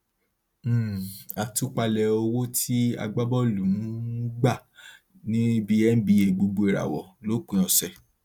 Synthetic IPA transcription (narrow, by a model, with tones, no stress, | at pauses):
a˨tu˦k͡pa˧lɛ˧o˧wo˦tʰi˦a̰˧ɡ͡ba˦bɔ˦˨lu˨ũ˨˦ɡ͡ba˦˨ | nĩ˦bi˦ɛ˦n̩˦bi˧˦e˨ɡ͡bo˧ɡ͡bo˧e˨ɾa̰˨wɔ̰˨lo˦k͡pũ˨ɔ̃˨sɛ˨